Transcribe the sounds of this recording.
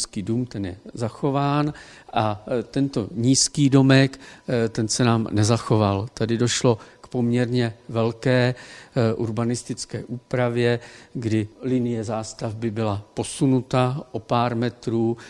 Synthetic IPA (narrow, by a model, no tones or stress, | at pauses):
skiːduːmt̪ɛnjɛzaxo̞vaːn | ʔat̪ɛnt̪o̞ɲiːskiːdo̞mɛkt̪ɛnsɛnaːmnɛzaxo̞valt̪adɪdo̞ʃlo̞kpo̞mɲɛɾɲɛvɛlkɛːʔuɾbanɪst̪ɪt͡skɛ̰ːʔuːpɾavjɛɡdɪlɪnɪjɛzaːst̪avbɪbɪlapo̞sunut̪aʔo̞paːɾmɛt̪ɾuː